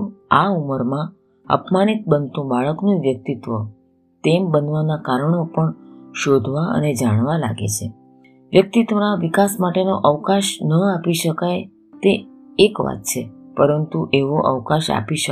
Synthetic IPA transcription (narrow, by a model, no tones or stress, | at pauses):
auməɾmã | ə̰pmanit̪̚bənt̪ũbaɭəknũʋjək̚t̪it̪ʋə | t̪embənʋanakaɾəɳopəɳʃod̪ʱʋaə̰ned͡ʒaɽ̃ʋala̰ɡḛt͡ʃʰe | ʋjək̚t̪it̪ʋənaʋikasmaʈenoʔəʋkaʃnəapiʃəkaj | t̪eː | kʋa̰t̪̚t͡ʃʰepəɾənt̪uʔeʋoʔə̰ʋkaʃa̰piʃə